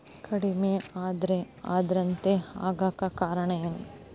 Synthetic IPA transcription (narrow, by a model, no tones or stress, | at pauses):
kʰɐɽimeaːd̪ɾe | a̰ːd̪ɐɾɐnt̪eaːɡaːkɐkaːɾɐɳɐjɐnu